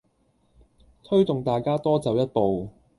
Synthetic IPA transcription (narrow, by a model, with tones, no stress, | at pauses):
t̪ʰɵ˥ɥt̪ʊ˨ŋt̪aː˨jkaː˥t̪ɔː˥t͡sɐ˨˧wjɐ˥t̚po˨w